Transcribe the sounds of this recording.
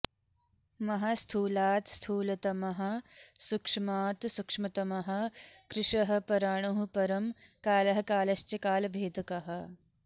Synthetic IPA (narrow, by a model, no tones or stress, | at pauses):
mɐɦast̪ʰuːlaːt̪st̪ʰuːlɐt̪ɐmɐɦɐsukʂmaːt̪sukʂmɐt̪ɐmɐɦɐkɾɪʂɐɦɐ̆pɐɾaːɳ̃uɦupɐɾɐmkaːlɐɦɐkaːlɐst͡ʃɐkaːlbʱeːd̪ʱɐkɐɦɐ̆